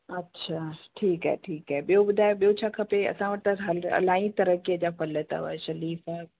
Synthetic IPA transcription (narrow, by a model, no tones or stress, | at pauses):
ɐtːɕʰaʈʰiːkɦɛ̰ːʈʰiːkɦaeɓijobʊd̪ʱaːjoɓijot͡ɕʰakʰɐpeɐ̰sãʋɐɾt̪ɐɦɐlɐ̰laːĩt̪ɐɾəkijəd͡ʑafɐlət̪a̰ʋə̰ʃɐliːfa